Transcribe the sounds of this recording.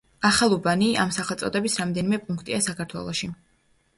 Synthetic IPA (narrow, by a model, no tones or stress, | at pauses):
aχalˠubania̰msaχɛlˠsʼɔd̪ɛbisɾamd̪ɛnimɛpʼuŋkʰt̪ʼiasakʰaɾt̪ʰwɛ̰lˠɔʃi